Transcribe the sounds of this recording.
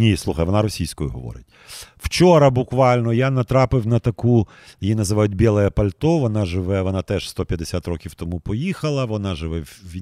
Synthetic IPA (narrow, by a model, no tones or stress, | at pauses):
nʲislˠuxɐjʋɔnɑɾɔsʲijsʲkɔjʊɦɔʋɔ̰ɾɪ̰tʲ | w̥t͡ʃɔɾɐbʊkʋɑlʲnɔjanɐt̪ɾɑpɪwnɐt̪ɐku | jinɐzɪʋɑjʊt̚ʲbʲɛlˠɛjɛpɐlʲt̪ɔʋɔnɑʒɪʋɛʋɔnɑt̪ɛʃst̪ɔpʲjɐd̪esʲat̪rɔkʲiwt̪ɔmupɔjixɐlˠɐʋɔnɑʒɪʋɛʋʋʲi